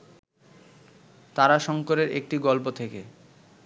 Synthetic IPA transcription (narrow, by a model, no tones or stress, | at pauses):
t̪aɾaʃɔŋkoɾeɾek̚ʈiɡɔlpot̪ʰeke